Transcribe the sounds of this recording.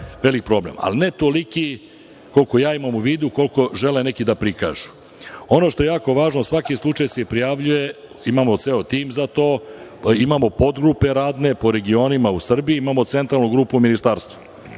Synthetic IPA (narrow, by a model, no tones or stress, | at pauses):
ʋelik̚pɾo̞blḛma̰line̞t̪o̞liki | ko̞lko̞jaːimamuʋiːd̪uko̞lko̞ʒe̞lene̞kid̪apɾika̰ːʒu̥ | o̞no̞ʃt̪o̞jejaːko̞ʋaːʒnosʋakislˠut͡ʂajsepɾijaʋʎuje̞ | imamo̞t̪seot̪iːmzat̪oːimamo̞po̞d̪ɡɾupe̞ɾaːd̪ne̞po̞ɾe̞ɡio̞nimausr̩biiimamo̞t̪se̞nt̪ɾalnuɡɾuːpuminist̪aːɾst̪ʋu̥